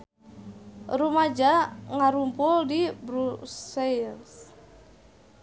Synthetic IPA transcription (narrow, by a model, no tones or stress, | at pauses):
ɾumad͡ʒaŋaɾumpuldibɾusels